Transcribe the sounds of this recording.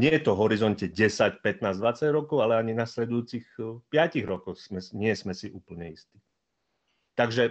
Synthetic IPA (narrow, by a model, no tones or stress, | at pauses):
ɲɪɛjɛt̪ɔɦɔɾizɔncɛɟɛsacpɛt̪naːzd̪ʋat͡saɟɾɔkɔʊalɛaɲinaslɛd̪ujuːt͡sixpɪaciɣɾɔkɔsmɛɲɪɛsmɛsiʔuːpl̩ɲɛist̪i̥ː | t̪aɡʒɛ